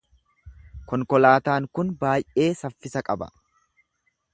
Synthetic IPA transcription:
kɔŋkɔlaːt̪aːŋkʊnbaːjʔe̞ːsɐfːɪsɐkʼɐbɐ̰

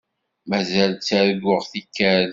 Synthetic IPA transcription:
mæzælt͡sːæɾɡʊʁθikːæɾ

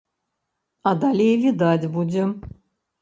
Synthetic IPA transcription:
ad̪alʲejvʲid̪at͡sʲbud͡zʲɛm

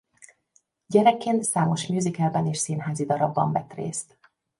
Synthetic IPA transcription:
ɟɛɾɛkːeːnt̪saːmo̞ʃmjuːzikɛlbɛneːʃsinɦaːzid̪ɒɾɒbːɒɱvɛt̪rḛːst̪

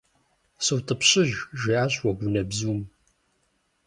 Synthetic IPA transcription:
sɨwtʰʼəpɕʼɪʒʒiaːɕwɐɡʷʊnɐbzuːm

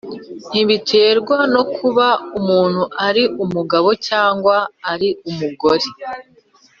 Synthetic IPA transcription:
n̥iβiteːɾɡwano̞kʰuβaumuːn̥huʔaɾiʔumuɡaβo̞caːŋɡwaːɾiumuɡo̞ɾe

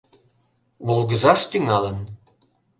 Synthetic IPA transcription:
βulɣəzɑʃt̪yŋɑlən

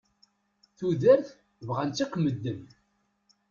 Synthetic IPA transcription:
θuðæɾθ | vʁant͡s̪ːikməd̪ːən

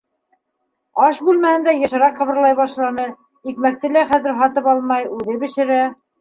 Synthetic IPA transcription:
ɑʃbʉlmæhɘ̆nd̪æjɤ̆ʃɤ̆ɾɑqːɤ̆βɤ̆ɾlˠɑjβɑʃlˠɑnɤ | ikmæk̚t̪ɘlæχæðɘ̆ɾɦɑt̪ɤpɑlˠmɑjʉðɘbɘ̆ʃɘ̆ɾæ

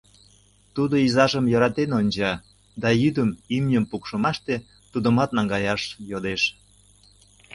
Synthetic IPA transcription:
t̪ud̪oizɑʒəmjɑɾɑt̪enonʲt͡ɕɑ | d̪ɑjyd̪əmimnʲəmpukʃə̆mɑʃt̪e | t̪ud̪ə̆mɑt̪nɑŋɡɑjɑʃjod̪eʃ

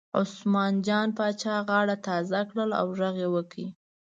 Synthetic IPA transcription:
ʊ̰smɑnd͡ʒɑnpɑt͡ʃɑɣɑɽat̪ɑzakɽəla̰wʒaɣewəkɽi

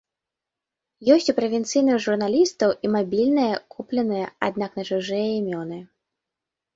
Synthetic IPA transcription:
jɔsʲt͡sʲupɾɐvʲɛnt̪sɨjnɨxʐurnalʲist̪ɐwʔimabʲilʲnɨjɐkʰuplʲɛnɨjɐa̰d̪naknɐt͡ʂuʐɨjɐimʲɔnɨ

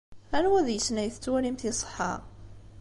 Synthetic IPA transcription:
ænwæðjəsnæjθət͡sːwælimθisˤə̥ħɑ̰

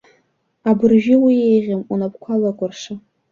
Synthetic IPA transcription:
abɨrʒɪwiejʁʲamunapʰkʷʰalakʷʼʊrʂa

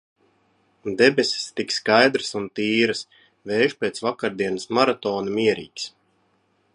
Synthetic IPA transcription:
d̪ebʲesʲe̥st̪ikskajd̪ɾɨsunt̪iːɾɨs | veːʒpʲeːt̪svakaɾd̪iɛnɨsmaɾat̪ɔːnamiɛɾḭːks

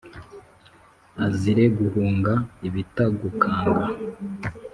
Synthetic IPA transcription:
aziɾe̞ɡuhuːŋɡaiβitaɡukʰaːŋɡa

